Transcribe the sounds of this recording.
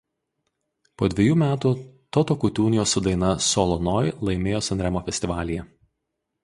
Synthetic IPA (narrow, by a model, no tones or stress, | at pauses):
poːd̪ʲʋʲɛjuːmʲæːt̪uːt̪ɔt̪okʊt̪ʲuːnʲɪjoːsʊd̪ɐɪnɐsɔlˠɔnɔːjlˠɐɪmʲeːjoːsɐnʲɾʲɛmoːfʲɛsʲt̪ʲɪʋɑːlʲɪjɛ